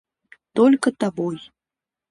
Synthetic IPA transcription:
t̪ɔlʲkət̪aboj

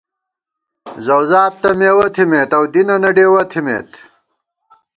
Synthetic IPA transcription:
zɐwzaːt̪ːɐmeːwɐt̪ʰimeːt̪ɐwd̪inɐnɐɖeːwɐt̪ʰimḛːt̪

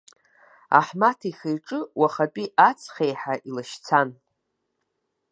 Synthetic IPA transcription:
a̰ħmatʰiχejʈ͡ʂʼɨwaχat͡pʼiʔat͡sʰχejħaʔilaʃt͡sʰan

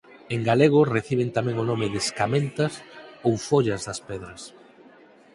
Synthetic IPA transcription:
eŋɡaleɣ̞ʊreθiβent̪amɛ̃ŋʊnomɪðeskamẽnt̪ɐsowfoʎɐzðɐspɛðɾɐs

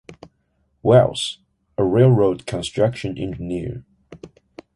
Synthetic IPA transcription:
wɛ̰lˠs | əɹeɪlˠɹoʊd̚kʰə̃nstɹ̥ʌkʃɨ̃nʔɪ̰̃nd͡ʒniɹ

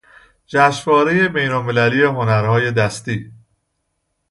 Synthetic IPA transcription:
d͡ʒæʃvɒːɾe̞je̞be̞jnolme̞læliːeɦo̞næɾhɒːje̞d̪æst̪iː

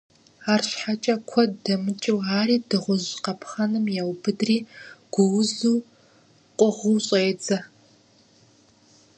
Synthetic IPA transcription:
aːrɕħat͡ʃʼɐkʷʰɔdɐmɨt͡ʃʼɪwaːɾiːdɨʁʷʊʑqɐpʰχɐnɨmjɛwbɨdriːɡ̥ʷʊwzuː | qʷʼɔʁuɕʼeːd͡zɐ

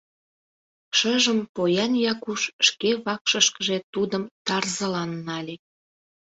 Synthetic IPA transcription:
ʃəʒəmpojɑnjɑkuʃʃkeβɑkʃəʃkəʒet̪ud̪əmt̪ɑrzəlɑnːɑlʲe

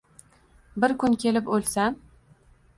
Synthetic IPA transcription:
bɪɾkʊnkʲʰe̞lɪpolsa

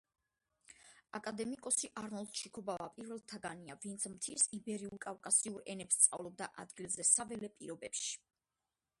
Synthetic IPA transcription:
akʼad̪ɛmikʼɔsiʔaɾnɔlˠd̪̚t͡ʃʰikʰɔbavapʼiɾvɛlˠt̪ʰaɡaniavint̪sʰmt̪ʰisibɛɾiulˠkʼafkʼasiuɾɛ̰nɛpst̪sʼavlˠɔb̚d̪aʔa̰d̪ɡilˠzɛsavɛlɛpʼiɾɔbɛpʃi̥

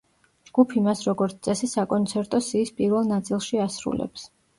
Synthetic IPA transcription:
d͡ʒɡ̥upʰimasɾɔɡɔɾt̪t̪sʼɛsisakʼɔnt̪sʰɛɾt̪ʼɔsiːspʼiɾvɛlˠnat̪sʼilˠʃiasɾṵlɛ̰ps

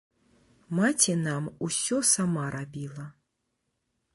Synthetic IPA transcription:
mat͡sʲɛnamusʲɔsamaɾabʲilˠɐ

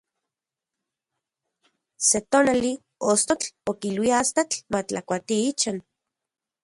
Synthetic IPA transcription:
set̪onali | ost̪ot͡ɬokilwiaast̪at͡ɬmat͡ɬakʷat̪iit͡ʃan

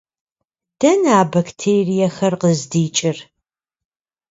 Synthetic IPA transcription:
d̥ɐnaːbɐktʰeːrijɐxɐrqəzdiːt͡ʃʼɪr

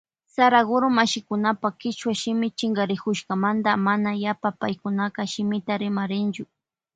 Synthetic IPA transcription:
saɾaɣʊɾʊmaʃɪkʊnapakɪt͡ʃwaʃɪmɪt͡ʃɪŋɡaɾɪkʊʃkamand̪amanajapapajkʊnakaʃɪmɪt̪aɾɪmaɾɪnt͡ʃʊ

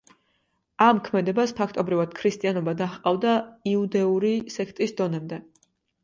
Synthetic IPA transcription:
amkʰmɛd̪ɛbaspʰakʰt̪ʼɔbɾivad̪̥kʰɾist̪ʼianɔbad̪aχqʼavd̪aiud̪ɛuɾisɛkʰt̪ʼisd̪ɔnɛmd̪ɛ

